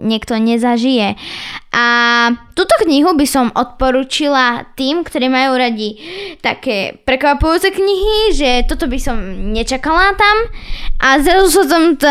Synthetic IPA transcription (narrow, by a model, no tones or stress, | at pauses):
ɲɪɛkt̪ɔɲɛzaʒijɛʔat̪uːt̪ɔkɲiɦubisɔmʔɔt̪̚pɔɾuːt͡ʃilat̪iːmkt̪ɔɾiːmajuːɾaɟit̪a̰kɛːpɾɛkʋapujuːt͡sɛkɲiɦiʒɛt̪ɔt̪ɔbisɔmɲɛt͡ʃakalat̪amʔazɾazus̬at̪ɔm